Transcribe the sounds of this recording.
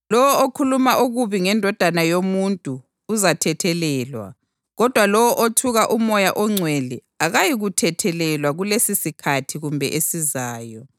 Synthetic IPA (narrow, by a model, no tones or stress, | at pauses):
lɔwɔokʰulumaʔuɣuβiŋɛndʱɔd̥ʱanajomuntʼuː | zatʰɛtʰɛlɛːlwa̰ | ɣɔd̥ʱwalɔwɔʔotʰuɣaʔumɔjaʔɔŋ͡ǀʱweli | aɣajiɣutʰɛtʰɛlɛlwaɣulesisikʰatʰiɣumbʱɛ̰ʔesizaːjɔ